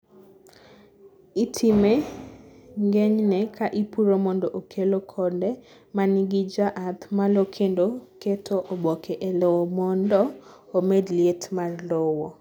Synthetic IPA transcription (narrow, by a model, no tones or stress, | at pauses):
itʰime | ŋɡeɲnɛkʰaʔipuɾomɔndɔʔokʰelokʰɔndɛ | manɪɡid͡ʒaʔat̪malokʰendoketʰoʔobɔkʰeʔelɔwɔmɔndɔ | omedlietmarlowɔ